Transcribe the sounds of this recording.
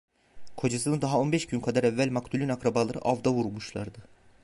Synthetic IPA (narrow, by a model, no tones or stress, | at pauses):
kʰo̞d͡ʒasɯnɯd̪aɦao̞nbɛʃɟynkʰad̪aɾɛvːælʲmakt̪ʰulʲynakɾabalˠaɾɯ̰ʔavd̪avuɾmuʃlˠa̰ɾd̪ɯ